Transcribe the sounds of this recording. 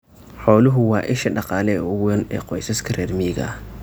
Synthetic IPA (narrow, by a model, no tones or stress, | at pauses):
ħɔːlʊɦʊwɑːʔɪʃɐɗɑqɑːlɛʊwɛnɛ̰ːqɔjsɐskʰɐrɛːɾmiːɣɐ̰